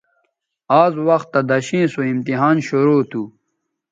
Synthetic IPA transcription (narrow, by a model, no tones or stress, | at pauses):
aːzwɐxt̪ːɐd̪ɐɕĩːsoimt̪iɦaːnɕuɾoːt̪ʰu